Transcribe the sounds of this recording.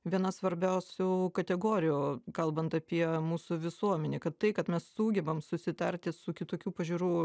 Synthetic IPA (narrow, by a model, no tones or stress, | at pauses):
ʋʲiɛnɐsʋɐɾʲbʲɛʊsʲuːkɐt̪ʲɛɡoːɾʲɪjukɐlˠbɐnt̪ɐpʲiɛmuːsʊʋʲɪsuɔmʲɛnʲeːkɐt̪tɐɪkɐt̪mʲɛssuːɡʲɛbɐmsʊsʲɪt̪ɐɾʲt̪ʲɪsʊkʲɪt̪oːkʲuːpɐʒʲuːɾuː